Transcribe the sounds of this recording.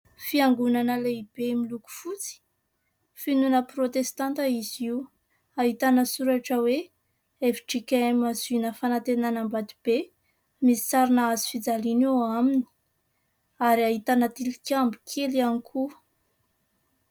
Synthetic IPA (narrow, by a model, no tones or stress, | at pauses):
fiaŋɡunanəleib̥emiluku̥fut͡si̥ | finunəprot̪est̪ant̪aiziw | aɦit̪anəsuɾaʈ͡ʂəwe | eviʈ͡ʂikʲaamazunəfanat̪enanambad̪ib̥e | misi̥t͡saɾinaazi̥fid͡zalinoamini̥ | aɾiaɦit̪anat̪ilikʲambi̥kʰelianikʰu